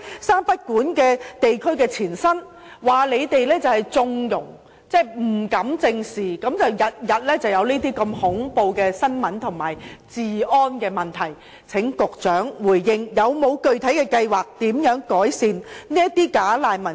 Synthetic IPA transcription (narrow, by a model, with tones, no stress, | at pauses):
saː˥npɐ˥t̚kuː˨˥nkɛː˧t̪e˨jkʰɵ˥ɥkɛː˧t͡sʰiː˨˩nsɐ˥n | waː˨˩le˨˧jt̪e˨jlɛː˥t͡sɐ˨whɐ˨jt͡sʊ˧ŋjʊ˨˩ŋ | t͡sɛː˥˩m̩˨˩kɐ˨˧˥mt͡sɪ˧ŋsiː˨kɐ˨˥mt͡sɐ˨wjɐ˨t̚jɐ˨t̚lɛː˥t͡sɐ˨wjɐ˨˧wniː˥t̪iː˥kɐ˧mhʊ˨˥ŋpo˧wkɛː˧sɐ˥nmɐ˨˥nt̪ʰʊ˨˩ŋmaː˨˩jt͡siː˨ɔː˥nkɛː˧mɐ˨nt̪ʰɐ˨˩j | t͡sʰɪ˨˥ŋkʊ˨k̚t͡ʃœː˨˥ŋwuː˨˩jːɪ˧ŋjɐ˨˧wmo˨˧wkɵ˧ɥt̪ʰɐ˨˥jkɛː˧kɐ˧jwaː˨k̚t̪iː˨˥mjœː˨˥ŋkɔː˨˥jsiː˧nniː˥jɐ˥tt̪iː˥kaː˨˥laː˨jmɐ˨˩